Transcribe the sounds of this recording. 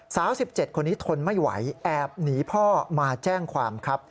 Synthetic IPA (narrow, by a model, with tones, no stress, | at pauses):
saː˩˦msi˨˩p̚t͡ɕe˨˩t̪̚kʰo˧nːiː˦˥t̪ʰo˧nma˥˩jwa̰˩˦jʔɛː˨˩p̚niː˩˦pʰɔː˥˩maː˧t͡ɕɛː˥˩ŋkʰwaː˧mkʰɾa˦˥p̚